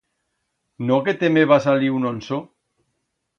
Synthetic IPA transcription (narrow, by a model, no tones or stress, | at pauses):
noket̪emeβasaliunonso